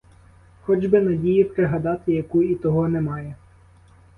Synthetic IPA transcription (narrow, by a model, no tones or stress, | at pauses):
xɔd͡ʒbɪnɐdʲijipɾeɦɐd̪ɑt̪ɪjɐkuit̪ɔɦɔnɛmɑjɛ